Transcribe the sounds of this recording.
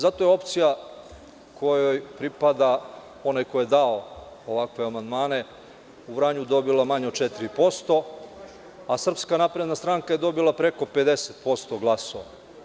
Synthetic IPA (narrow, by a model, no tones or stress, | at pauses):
zat̪ojeo̞pt̪sija | kʰojojpɾipad̪a | o̞najkojed̪ao | oʋakʋe̞amand̪maːne̞ | ubɾaɲud̪o̞bilˠamaɲeot̪t͡ʃet̪iɾipo̞st̪o̞ | asr̩pskanapɾed̪nast̪ɾaŋkaje̞d̪o̞bilˠapɾe̞ko̞pe̞d̪e̞set̪po̞st̪o̞ɡlˠasoʋa